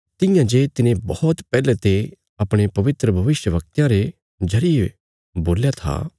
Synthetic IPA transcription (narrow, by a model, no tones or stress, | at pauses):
t̪ɪ̃jãd͡ʒeːt̪ɪnẽbɐɔt̪pɛːlet̪e | ɐpɽ̃epɐʋɪt̪ɾəbʱɐʋɪʃjəʋɐk̚t̪jãɾe | d͡ʒʱɐɾie | boːljat̪ʰa̰ː